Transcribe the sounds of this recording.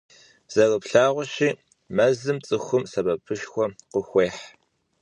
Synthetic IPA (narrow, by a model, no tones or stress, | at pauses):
z̥ɐrəpɬaːʁʷʊɕiː | mɐzɨmt͡sʼɨxʷʊmsɐbɐpʰɨʃxʷɔqəxʷeːħ